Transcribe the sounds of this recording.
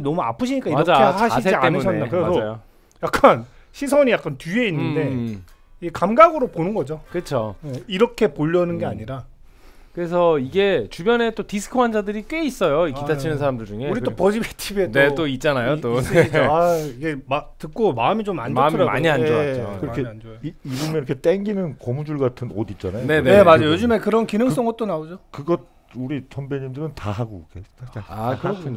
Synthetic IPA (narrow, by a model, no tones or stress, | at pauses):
nʌmua̰pʰɯɕʰiɲik͈aimad͡ʑaeaɕais̬ʰeiaenɯnʰʌedakɯɾeasʰd͡ʑʌajo | jak͈̚an | ɕʰis̬ʰʌɲijak͈antue̞inːɯnde̞ | iɡekamɡaɡɯɾoponɯnɡʌd͡ʑokɯt͡ɕʰoeiɾʌkʰe̞poʎːʌnɯnɡe̞aɲiɾa | kɯɾe̞sʰʌiɡe̞t͡ɕubjʌne̞t͈otisʰɯ̥kʰɯwand͡ʑadɯɾik͈eis͈ʌjoikitʰat͡ɕʰinɯnsʰaɾamdɯɭd͡ʑuŋe̞uɾit͈opʌd͡ʑibetʰibenet͈oit̚t͡ɕ͈anajot͈oaiɡematɯk͈omaɯmit͡ɕomaɲmaɯmima̰ɲiand͡ʑʌt͡ɕokɯɾkʰeiibumiɾʌkʰet͈eŋɡinɯnkomud͡ʑuɭɡatʰɯnʌdit͡ɕ͈anajne̞neemad͡ʑojod͡ʑɯmekɯɾʌnkinɯŋs͈ʌŋɡʌt͈̚onaod͡ʑokɯɡʌt̚ | uɾit͡ɕʰʌmbeɲimdɯɾɯntaɦaɡoke | kɯɾʌkʰuɲ